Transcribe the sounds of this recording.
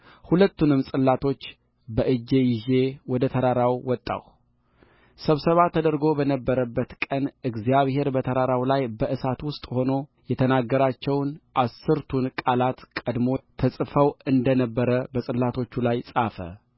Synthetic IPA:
hulət̪ːunɨmsʼɨlːat̪ʰo̞t͡ʃː | bəʔɨd͡ʒːe̞jɪʒe̞wɔd̪ət̪ʰəɾaɾawwɔt̪ʼːa̰w | səβsəβat̪ʰəd̪əɾɡo̞bənəbːəɾəbːət̪kʼənɨɡzijaβhe̞ɾbət̪ʰəɾaɾawlajbəʔɨsat̪wʊst̪ʼho̞no̞jɛt̪ʰənaɡːəɾat͡ʃːɛwnʔasːɨɾt̪ʰunkʼalat̪kʼəd̪mo̞əsʼfəwɨnd̪ənəbːəɾəbəsʼɨlːat̪ʰo̞t͡ʃːulajsʼafə̰

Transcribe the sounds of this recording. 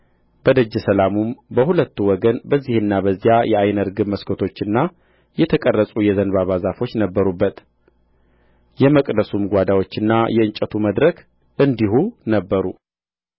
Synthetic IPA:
b̥əd̪əd͡ʒːɛsəlamumbəhulət̪ːuwɔɡənbəzːihɨnːabəzːijajɛajnəɾɡɨməskʰot̪ʰo̞t͡ʃːɨnːa | jɛt̪ʰəkʼərːəsʼujɛzənβaβazafo̞t͡ʃːnəbːəɾubːət̪ | jɛməkʼd̪əsumɡʷad̪awo̞t͡ʃːɨnːajɛɨnt͡ʃʼət̪ʰuməd̪ɾək | ʔɨnd̪ihunəbːəɾu

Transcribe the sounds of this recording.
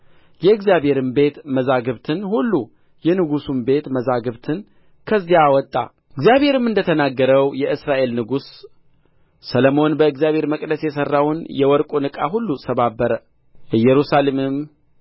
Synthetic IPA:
jɛɨɡzjabhe̞ɾɨmbe̞t̪məzaɡɨβt̪ʰɨnhulːu | jɛnɨɡusumbe̞t̪məzaɡɨβt̪ʰɨn | kʰəzijaːwɔt̪ʼːa̰ | ɨɡzjaβhe̞ɾɨmɨnd̪ət̪ʰənaɡːəɾəwjɛʔɨsɾaʔe̞lnɨɡus | ələmo̞nbəɨɡzijaβhe̞ɾməkʼdəsjɛsərːawnjɛwɔɾkʼonɨkʼa̰ɦulːusʰəβabːəɾə | jɛɾusalemɨm

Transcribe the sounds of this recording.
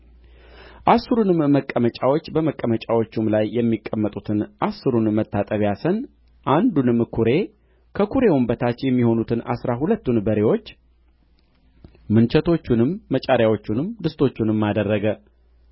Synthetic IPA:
ʔasːɨɾunɨmːəkʼːəmət͡ʃʼawo̞t͡ʃːbəməkʼːəmət͡ʃʼawo̞t͡ʃːumlajːɛmːikʼːəmːət̪ʼut̪ʰɨnʔasːɨɾunmət̪ːat̪ʼəβjasən | ʔand̪unɨmkʰuɾe̞ | kʰəkʰuɾe̞wumbət̪ʰat͡ʃːjɛmːiho̞nut̪ʰɨnʔa̰sɾaɦulət̪ːunbəɾe̞wo̞t͡ʃː | mɨnt͡ʃʰɛt̪ʰo̞t͡ʃːunɨmːət͡ʃʼaɾjawo̞t͡ʃːunɨmd̪ɨst̪ʰo̞t͡ʃːunɨmːad̪ərːəɡə

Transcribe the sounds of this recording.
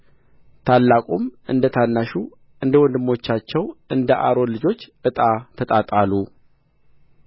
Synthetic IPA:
t̪ʰalːakʷʼumʔɨ̰nd̪ət̪ʰanːaʃu | ʔɨnd̪əwɔnd̪ɨmːo̞t͡ʃːat͡ʃːɛwɨnd̪əʔa̰ɾo̞nlːɨd͡ʒo̞t͡ʃːʔɨt̪ʼat̪ʰət̪ʼat̪ʼalːu

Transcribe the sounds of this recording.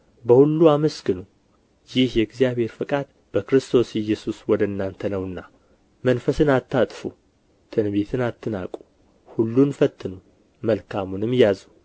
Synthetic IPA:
bəhulːuaməsɡɨnu | jɪhjɛɡzijaβhe̞ɾfɨkʼad̪ | bəkɨɾɨst̪ʰo̞sɛjːɛsuswɔd̪əɨnːant̪ʰənəwɨnːa | mənfəsɨnat̪ːat̪ʼfu | t̪ʰɨnbe̞t̪ʰɨnat̪ʰːɨna̰kʼu̥ | hulːunfət̪ʰːɨnu | məlkʰamunɨmjjazu

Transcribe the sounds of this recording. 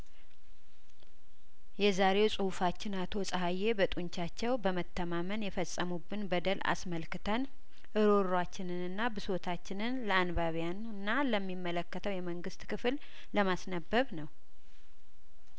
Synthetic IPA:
jɛzaɾe̞wsʼɨhufat͡ʃːɪnat̪ʰo̞sʼəɦajːe̞bət̪ʼuɲt͡ʃat͡ʃːɛwbəmət̪ʰːəmamənjɛfəsʼːəmubːɨnbəd̪əla̰sməlkɨt̪ʰən | ʔɨɾo̞ɾwat͡ʃːɪnɨnɨnːabɨso̞t̪ʰat͡ʃːɪnɨnləanbaβjanɨnːaləmːimːələkːət̪ʰəwjɛməŋɡɨst̪kʰɨfl | ləmasnəbːəβnəw

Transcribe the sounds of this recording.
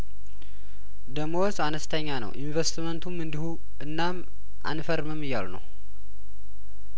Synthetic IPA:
d̪əmowzanəst̪ʰəɲːanə̰wʔinvəst̪mənt̪ʰumɨnd̪ihu | ʔɨnːam | ʔa̰nfəɾməmːɨjːalnə̰w

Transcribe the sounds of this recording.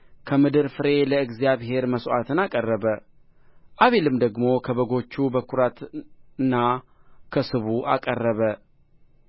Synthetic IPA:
kʰəmɨd̪ɨɾfɨɾe̞ləɨɡzjaβhe̞ɾməsʔat̪ʰɨnakʼərːəβə | ʔaβe̞lɨmd̪əɡmo̞kʰəβəɡo̞t͡ʃːubəkʰuɾat̪ɨnːa | kʰəsɨβuʔa̰kʼərːəβə

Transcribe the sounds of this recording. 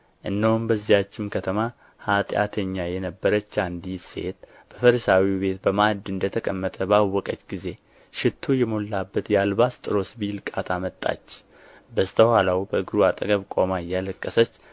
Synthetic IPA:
ʔɨnːəwʊmbəzːijat͡ʃːɪmkʰət̪ʰəma | hat̪ʼja̰t̪ʰəɲːajɛnəbːəɾət͡ʃːand̪ise̞̰t̪̚ | b̥əfəɾəsawibe̞t̪̚bəmad̪ɨnd̪ət̪ʰəkʼəmːət̪ʼəbawːɔkʼət͡ʃːɡize̞ | ʃɪt̪ʰːujɛmo̞lːabːət̪jalbast̪ʼɨɾo̞sbilkʼat̪ʰamət̪ʼːa̰t͡ʃː | bəst̪ʰəhalawbəɨɡɨɾuat̪ʼəɡəβkʼo̞maɨjːaləkʼːəsət͡ʃː

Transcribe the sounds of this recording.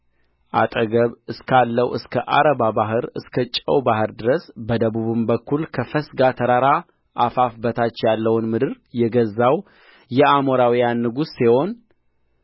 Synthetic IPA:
ʔa̰t̪ʼəɡəβɨskʰalːəwɨskʰəʔa̰ɾəbabaɦɨɾɨskʰət͡ʃʼə̰wbahɨɾd̪ɨɾəsbəd̪əβuβɨmbəkːulkʰəfəsɡat̪ʰəɾaɾa | ʔafafbət̪ʰat͡ʃːjalːəwnmɨd̪ɨɾ | jɛɡəzːaw | jɛamoɾawijanːɨɡusːiho̞n

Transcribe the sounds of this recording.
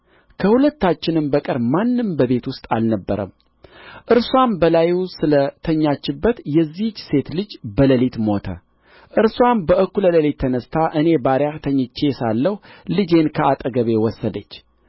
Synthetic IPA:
kʰəhulət̪ːat͡ʃːɪnɨmbəkʼɨɾmanːɨmbəβe̞t̪wʊst̪ʼa̰lnəbːə̰ɾə̰m | ʔɨɾswambəlajusɨlət̪ʰəɲːat͡ʃːɪbːət̪jɛzːit͡ʃːse̞t̪lɨd͡ʒbələlit̪mo̞t̪ʰə̰ | ʔɨɾswambəʔɨkːulələlit̪ʰːənəst̪ʰaʔɨne̞baɾjaht̪ʰəɲːt͡ʃːe̞salːəhlɨd͡ʒe̞nkʰəat̪ʼəɡəβe̞wɔsːəd̪ət͡ʃː

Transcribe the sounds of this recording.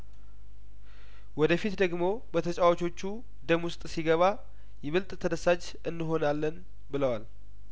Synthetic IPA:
wɔd̪əfit̪d̪əɡmo̞ | bət̪ʰət͡ʃʼawot͡ʃʰo̞t͡ʃːu | d̪əmʊst̪ʼsiɡəβa | jɛβɨlt̪ʼt̪ʰəd̪əsad͡ʒ | ɨnːɨɦo̞nalːən | bɨləwal

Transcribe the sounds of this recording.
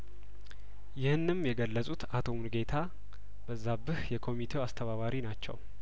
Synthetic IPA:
jɪhɨnːɨmjɛɡəlːəsʼut̪at̪ʰo̞munɨɡe̞t̪ʰa | bəzːabɨhjɛkʰo̞mit̪ʰe̞wast̪ʰəβaβaɾinat͡ʃːɛ̰w

